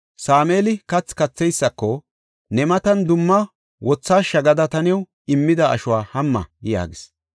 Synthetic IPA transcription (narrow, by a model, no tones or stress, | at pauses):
saːmeːlɪkɐt͡sːkɐt͡sːɛjsːɐkːɔ | nɛmɐt̪ɐnd̪ʊmːɐ | wɔt͡sːaːʃɐɡɐd̪ɐt̪ɐnɛw | ɪmːɪd̪ɐɐ̰ʃʊwaːhɐmːɐ̰ja̰ːɡɪs